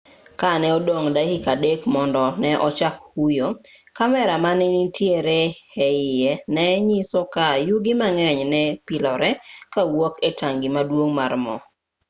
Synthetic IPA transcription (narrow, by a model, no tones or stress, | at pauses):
kanɛɔdoŋdahikadekmɔndɔnɛʔɔt͡ʃakhujokamɛɾamanenitjeɾeɛɪjɛnɛɲisɔkajuɡimaŋɛɲnɛpilɔɾɛkawɔketaŋɡimadwoŋmarmɔ̰